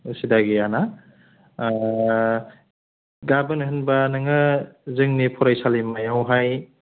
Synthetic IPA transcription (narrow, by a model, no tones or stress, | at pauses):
usidaɡiana | ɡabɯnɦɯnbanɯŋɯzɯŋnipʰɔɾajsalimajawɦaj